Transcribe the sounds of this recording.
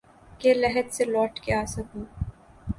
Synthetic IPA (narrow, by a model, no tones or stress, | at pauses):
kelɛɦɛd̪selɔːʈkeaːsɐkũː